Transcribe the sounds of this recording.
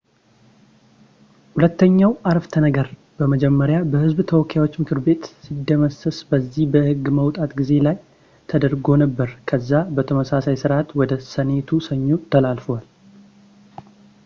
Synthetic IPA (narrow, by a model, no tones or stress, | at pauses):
hulət̪ːəɲːawʔaɾft̪ʰənəɡəɾ | b̥əməd͡ʒɛmːəɾjabəhɨzbt̪ʰəwɔkʰːawot͡ʃːmɨkʰɨɾbe̞t̪sid̪ːəməsəsbəzːihbəhɨɡːməwt̪ʼat̪ɡize̞laj | t̪ʰəd̪əɾɡo̞nəbːəɾkʰəzːabət̪ʰəməsasajsɨɾʔat̪wɔd̪əsəne̞t̪ʰusəɲːot̪ʰəlalfowal